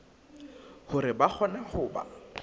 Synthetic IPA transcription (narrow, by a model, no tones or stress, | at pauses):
hʊɾɪbak͡xʰɔnahʊːba̰